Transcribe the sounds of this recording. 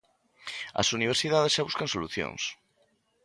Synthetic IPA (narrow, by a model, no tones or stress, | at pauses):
a̰suniβ̞eɾsiðaðesʃaβuskãnsoluθjõ̰ŋs